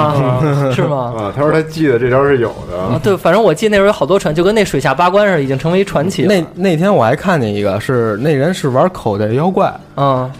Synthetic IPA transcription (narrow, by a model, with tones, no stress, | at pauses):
ʂɻ̩˥˩mɐ˩˧t̪ʰa˥ʂwt̪ʰa˥t͡ɕi˥˩d̪ə˩ʈ͡ʂɤ˥˩pjɑ˥ʂɻ̩˥˩jo˨˩ʊd̪ə˦˥˧t̪we˥˩ɪfa˨˩nʈ͡ʂɤ˥wɔ˨˩t͡ɕi˥˩˧əne˥˩˥xɑ˨˩ʊt̪wɔ˥ʈ͡ʂʰa˧˥t͡ɕo˥˧ʊkə˥ne˥˩ɪʂwe˨˩ɪɕja˥˩pa˥kwa˥nʂ̩˥˧˩i˨˩t͡ɕi˥ŋʈ͡ʂʰɤ˧˥ŋʋe˧˥i˥ʈ͡ʂʰwa˧˥nt͡ɕʰi˧˩ne˥˩ɪne˥˩ɪt̪ʰjɛ˥nwɔ˨˩xa˧˥ɪkʰa˥˩ntɛ˥˩ni˧˥ɡə̰˧ʂɻ̩˥˧ne˥˩ɪɻə˥nʂɻ̩˥˩wa˧˥kʰo˨˩ʊd̪ə˧˩˧jɑ˥ʊkwa˥˩ɪ˥˩